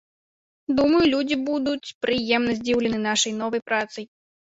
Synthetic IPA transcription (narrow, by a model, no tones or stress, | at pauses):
d̪umɐjulʲud͡zʲibud̪ut͡sʲpɾɨjɛmnɐzʲd͡zʲiwlʲɪnɨnaʂɐjnɔvɐjpɾat̪sɐj